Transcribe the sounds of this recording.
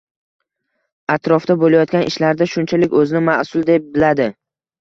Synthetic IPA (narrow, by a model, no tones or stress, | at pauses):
at̪ɾɒfd̪abolajɒt̪̚kʲanʔɪ̰ʃlaɾd̪aʃʊnt͡ʃʰalɪkʲɵzɪnɪmaʔsʊlˠd̪ep̚bɪlad̪ɪ